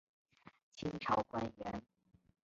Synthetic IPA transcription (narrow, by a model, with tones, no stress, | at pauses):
t͡ɕʰi˧˥ŋʈ͡ʂʰɑ˧˥ʊkwa˥nɥɛ˧˥n